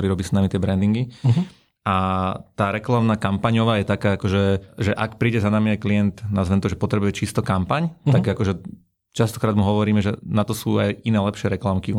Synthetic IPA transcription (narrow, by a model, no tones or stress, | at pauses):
ɔɾiːɾɔbiːsnamit̪ɪɛbɾɛnd̪iŋɡi | ʔat̪aːɾɛklamnaːkampaɲɔʋaːjɛt̪akaːakɔʒɛʒɛʔakpɾiːɟɛzanamiajklijɛnt̪nazʋɛnt̪ɔʒɛpɔt̪ɾɛbujɛt͡ʃist̪ɔkampaɲt̪aɡakɔʒɛ | t͡ʃast̪ɔ̥kɾaːd̪muɦɔʋɔɾiːmɛʒɛnat̪ɔsuːajʔinɛːlɛpʃɪɛɾɛklamkiu